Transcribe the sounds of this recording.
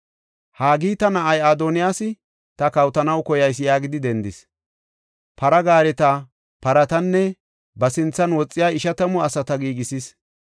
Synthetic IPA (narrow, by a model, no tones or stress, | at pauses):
haːɡiːt̪ɐnɐʔɐjaːd̪ɔːnɪjaːsɪ | t̪ɐkɐwt̪ɐnɐwkɔjɐjs̬jaːɡɪd̪ɪd̪ɛnd̪ɪs | pɐɾɐɡaːɾɛt̪ɐ | pɐɾɐt̪ɐnːɛ | bɐsɪnt͡sːɐnwɔt͡sʼːɪjaːɪʃɐt̪ɐmɔɐsɐt̪ɐɡiːɡɪsis